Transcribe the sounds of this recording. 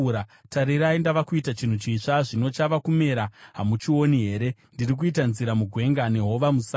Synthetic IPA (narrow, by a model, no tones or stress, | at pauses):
ɾataɾiɾaindaʋakuitat͡ʃin̤ut͡ʃiʂaʐino̞t͡ʃaʋakume̞ɾaɦamut͡ʃiwo̞niɦe̞ːɾe̞ndirik̬uitanziɾamuɡʱwe̞ŋɡane̞ɦo̞ʋamusa